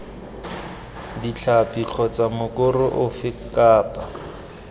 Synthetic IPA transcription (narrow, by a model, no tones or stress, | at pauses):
dit͡ɬʰapʼiq͡χʰɔt͡samʊkʼʊrʊʔʊfɪkaːpʼa